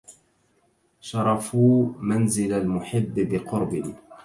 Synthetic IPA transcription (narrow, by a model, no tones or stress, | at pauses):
ʃɑɾˤɑfuːmanzɪlalmʊħɪbːbɪqʊɾbɪ